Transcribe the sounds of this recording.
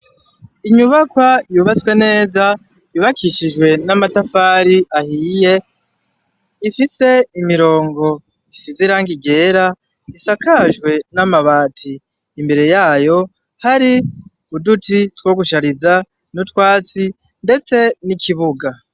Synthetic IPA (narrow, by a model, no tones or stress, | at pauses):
iɲuβakwajuːβat͡skwe̞ne̞ːza | jiβakʰiʃiʒwe̞namatafaːɾiʔahiːje̞ | ifise̞imiɾo̞ːŋɡo̞ | isiziɾaːŋɡiɡe̞ːɾa | isakaʒwe̞namaβaːtʰiː | mbe̞ɾe̞jaːjo̞ | haɾi | udutitwo̞ːɡuʃaɾiza | nutkwaːt͡si | nde̞t͡se̞nikʰiβuɡa